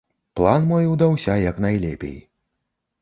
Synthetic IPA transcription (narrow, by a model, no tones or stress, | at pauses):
plˠanmɔjwd̪awsʲajɐknajlʲɛ̰pʲḛj